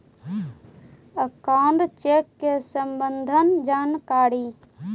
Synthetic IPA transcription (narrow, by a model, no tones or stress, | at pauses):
əkaːnɾt͡ʃekːesəmbənd̪ʱənd͡ʒaːnkaːɾi